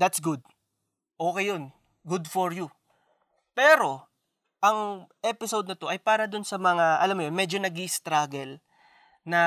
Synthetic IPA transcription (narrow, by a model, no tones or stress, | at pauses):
d̪ɐt̪sɡʊd̪̚ | ʔoːkejo̞n | ɡʊd̪foɹju | pɛːɾo̞ | ʔɐŋʔɛpɪsowd̪̚nɐt̪o̞ʔɐjpaːɾɐd̪ʊnsɐmɐŋaʔɐlamjonmɛːd͡ʒonɐɡɪst̪ɾaːɡɛl | nɐ